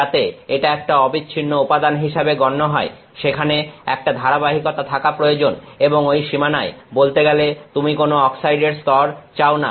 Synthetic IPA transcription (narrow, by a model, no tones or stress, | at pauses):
at̪eeʈaɛk̚ʈaɔbit͡ɕːɕʰinːoopad̪anɦiʃabeɡɔnːoɦɔe | ʃekʰaneɛ̰k̚ʈad̪ʱaɾabaɦikot̪at̪ʰakapɾojod͡ʑoneboŋojʃimanaebolt̪eɡɛlet̪umikonoɔksajɖeɾst̪ɔɾt͡ɕaona̰